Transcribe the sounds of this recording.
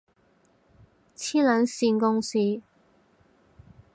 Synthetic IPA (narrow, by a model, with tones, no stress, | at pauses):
t͡sʰiː˥lœː˨˥nsiː˧nkʊ˥ŋsiː˧˩